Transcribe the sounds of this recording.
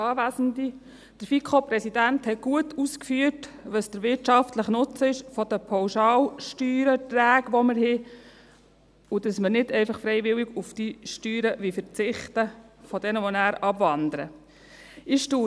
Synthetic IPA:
ɑːʋæːsn̩di | d̥əɾfikʰχopɾɛsidænthɛɡ̥uətʰuskfyətʋəsd̪̥əɾʋɪɾtt͡ʃɑftləχnʊt͡səɪʃfɔd̥əpʰɑwʃɑːlʃtyːɾətɾæːɡʋɔməɾɦɪ | ud̥ɑsməɾnɪdɛɪfɑχfɾɛɪʋɪlɪɡufd̥iʃtyːɾəʋifəɾt͡sɪχtəfɔd̥ɛnəʋɔnæːɾɑbʋɑnd̪əɾə̰ | ɪʃtuː

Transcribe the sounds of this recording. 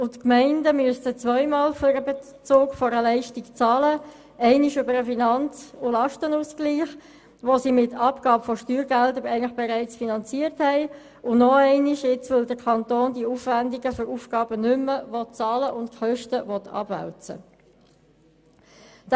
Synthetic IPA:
ʊtkmɛɪndəmyəstət͡sʋœʏmɑːlfɔɾəbe | t͡soːkfɔɾəlɛɪʃtikt͡sɑːlə | ɛɪniʃʏbəɾəfinɑnt͡sʊlɑʃtənuːsɡ̥liːχ | ʋosimɪtʰɑpɡ̥ɑːpfɔʃtyːɾɡɛldəɾɛɪŋnləχb̥eɾɛɪt͡sfinɑnt͡siəɾthɛɪ | ʊnɔɛɪnɪʃjɪt͡sʋɪld̪əɾkʰɑnt̪oːndiuːfʋændɪɡəføɾuːfɡ̥ɑːb̥ənʏmːəʋɔt̚t͡sɑːləʔʊntkχœʃtəʋɔt̪ʰɑ̰b̥ʋæ̰lt͡sə̰ | d̥

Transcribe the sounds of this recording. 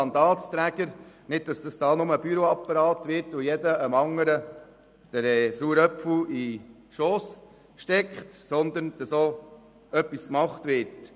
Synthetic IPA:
ɑnd̪ɑːtst̪ɾæɡəɾ | nɪd̥̚d̥ɑsd̥ɑsd̥ɑːnʊməb̥yɾoɑpːɑɾɑːt̪ʋɪɾtojɛdəəmɑŋəɾə | d̥əɾɛːsuːɾœpfl̩i | ʃoːs | kʃtɛkχtsɔnd̪ənd̥ɑso | œpːiskmɑχtʋɪɾt

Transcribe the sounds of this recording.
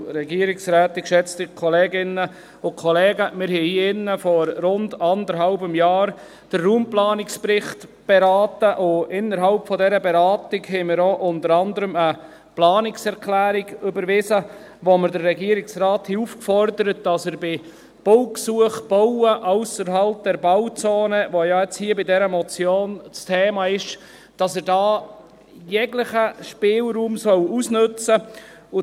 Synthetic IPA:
ɾɛɡiəɾɪksɾæːtɪkʃɛt͡stɪkʰɔlɛːɡɪnːə | ʊkʰɔlɛːɡəmɪɾɦɛiɪnːəfɔɾɾʊndɑndəɾɦɑʊbəmjɑːɾ | d̥ərːuːmplɑːnɪkspɾɪχtb̥ɛɾɑːtəʔʊɪnːəɾɦɑlpfɔdɛɾəbɛɾɑːtɪɡhɛmɪɾoʔʊntəɾɑndəɾəmə | plɑːnɪksɛɾkʰlæːɾɪɡʏbəɾʋɪsə | ʋoməɾdərːɛɡiəɾɪksrɑːthiufkfɔrdəɾət̚d̥ɑsəɾbɪ | b̥ɔʊksuəχb̥owəʔasəɾɦɑlp̚d̥ɛɾbaʊt͡soːnəʋojɑɛt͡shiːəbɪdɛɾəmɔt͡sjoːnt͡stʰeːmɑɪʃ | d̥ɑsəɾdɑː | jɛɡlɪχəʃpɪːlɾuːmsœlusnɵt͡sə | ʊ

